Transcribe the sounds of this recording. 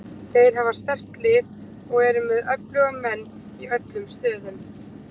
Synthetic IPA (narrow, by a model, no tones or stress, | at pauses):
θejɾ̥ɦavḁst̪ɛr̥t̪lɪːð | ɔɣɛɾʏmɪðœplœːɣʏmːɛnː | iœt̪lʏmst̪œːðʏm